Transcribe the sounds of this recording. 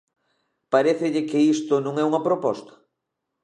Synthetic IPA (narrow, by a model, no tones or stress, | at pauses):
paɾɛθɪʎɪkɪist̪ʊnõŋɛuŋɐpɾopɔst̪ɐ̥